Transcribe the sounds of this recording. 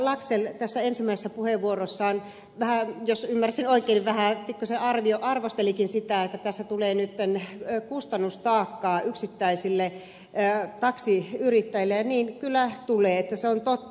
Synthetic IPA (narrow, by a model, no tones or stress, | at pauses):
lɑpselt̪æsːæensimːæˑisesæpuheʋʋuorosːɑːn | ʋæhæjosymːærsinoikˑeːnʋʋæhæpikːuseʔɑrʋioʔɑrʋost̪elikinsit̪æet̪ːæt̪æsːæt̪uleːnyt̪ːenkust̪ɑnːust̪ɑːkːɑːyksit̪ːæisilːe | t̪ɑksiyrit̪ːæjilːejɑniːnkylːæt̪uleːet̪ːæseont̪ot̪ː